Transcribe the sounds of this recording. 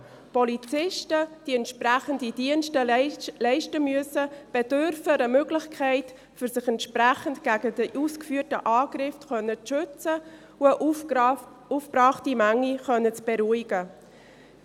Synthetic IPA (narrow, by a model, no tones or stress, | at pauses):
pɔlit͡sɪʃtəd̥iɛntʃpræχəndidiənʃtəlɛɪʃtəmyəsəb̥ɛdøɾfəəmøːɡlɪχkʰɛɪt | fʏɾsɪxɛntʃpræχəntɡ̥æːɡədəʔuskfyːərtəʔɑːɡɾɪftχœnːəʃʏt͡sə | uəʔ | ufb̥rɑːχtimæŋːiχœnət͡sb̥eɾuɪɡ̥ə